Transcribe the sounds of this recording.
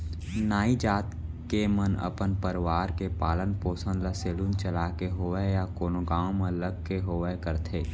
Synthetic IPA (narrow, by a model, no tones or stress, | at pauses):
naːid͡ʒaːt̪kemənə̰pənpəɾʋaːɾkepaːlənpoːsə̃nd̪ləseːlunt͡ʃəlaːkeɦoːəjakoːnoɡaːõmẽləɡkeɦoːʋekəɾt̪ʰeː